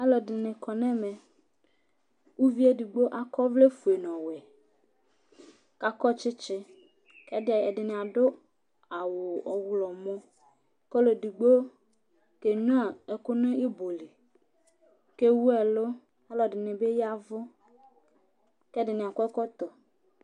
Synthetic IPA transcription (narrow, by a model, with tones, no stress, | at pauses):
ɛ˦lɔ˨dɪ˨nɪ̃˨kɔ˨nɛ̃˦mɛ̃˨ | wu˦vi˦e˦di˨ɡ͡bo˦ʔa˨kɔ˦vle˦fu˨e˨nɔ̃˨wɛ˨ | ka˦kɔ˦t͡ʃɪ˦t͡ʃɪ˦ | kɛ˦dɪ˦a˨ɛ˨dɪ˨nɪ̃˨a˨ɖʊ˦ | a˨wʊ˨ɔ˨wlɔ˨mɔ̃˦ | kɔ˦lo˨di˨ɡ͡bo˦ | ke˨ɲũ˦a˦˨ɛ˨kʊ˦nʊ̃˦i˦bo˨li˨ | ke˦wu˦ɛ˨lo˦ | a˦lɔ˨dɪ˨nɪ̃˨be˦ja˦vʊ˦ | kɛ˦dɪ˨nɪ̃˨a˨kɔ˦ɛ˦kɔ˦t̪ɔ˨